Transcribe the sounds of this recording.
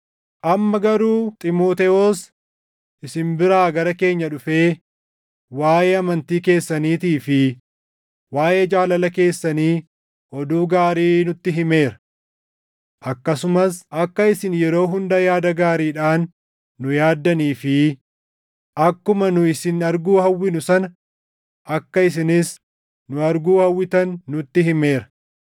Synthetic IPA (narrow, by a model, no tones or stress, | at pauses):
ʔɐmːɐɡɐɾuːt̪ʼɪmo̞ːt̪ɛoːs | ʔɪsɪmbɪɾaːɡɐɾɐke̞ːɲːɐᶑʊfe̞ː | waːʔeːɐmɐnt̪iːke̞ːsːɐniːt̪iːfɪ | waːʔe̞ːd͡ʒaːlɐlɐke̞ːsːɐniː | ʔɔd̪uːɡaːɾiːnʊt̪ːɪɦɪme̞ːɾɐ̥ | ʔɐkːɐsʊmɐsʔɐkːɐɪsɪnjɛɾo̞ːɦʊnd̪ɐjaːd̪ɐɡaːɾiːᶑaːnː | ʊjaːd̪ːɐniːfɪ | ʔɐkːʊmɐnʊɪsɪnɐɾɡuːhɐwːɪnʊsɐnɐ | ʔɐkːɐɪs̬ɪnɪs | nʊɐɾɡuːhɐwːɪt̪ɐnːʊt̪ːɪɦɪmeːɾɐ̥